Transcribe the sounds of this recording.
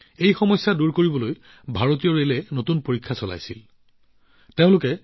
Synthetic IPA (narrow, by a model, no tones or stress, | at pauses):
ejxɔmɔjsːaduɹkoɹibɔloj | bʱaɹot̬iɔɹelɛnotunpoɹikʰːasɔla̰jsḭl | teʊ̃lʊkɛ